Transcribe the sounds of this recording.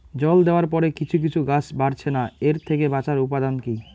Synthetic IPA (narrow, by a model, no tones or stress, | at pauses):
d͡ʑɔld̪eoaɾpɔɾekit͡ɕʰuk̬it͡ɕʰuɡat͡ɕbaɾt͡ɕʰenaeɾt̪ʰekebat͡ɕaɾupad̪anki